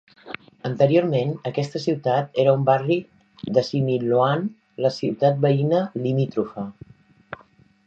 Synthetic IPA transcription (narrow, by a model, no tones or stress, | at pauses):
ənt̪əɾijoɾmenəkɛst̪əsiwt̪at̪eɾəumbari | ðəsimiluan | ləsiwt̪at̪̚bəinəlimit̪ɾufə